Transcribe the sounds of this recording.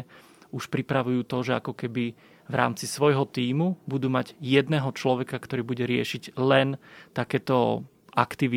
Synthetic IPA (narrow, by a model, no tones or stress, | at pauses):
uʃpɾipɾaʋujuːt̪ɔʒɛakɔkɛbi | ʋɾa̰ːmt͡sisʋɔjɦɔt̪iːmubud̪uːmaɟjɛd̪nɛːɦɔt͡ʃlɔʋɛkakt̪ɔɾiːbuɟɛɾɪɛʃiɟlɛnt̪akɛːt̪ɔ | ʔakt̪iʋi